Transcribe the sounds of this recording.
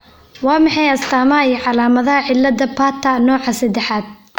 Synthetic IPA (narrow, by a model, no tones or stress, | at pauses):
wɑːmɑħɑjɐst̪ʰaːmɐɦɐijɞʕɑlaːmɐðɐɦɐʕɪlːɐd̪ɐpʰaːt̪ʰɐnɔːʕɑsɐd̪ɛħaːd̪̥̚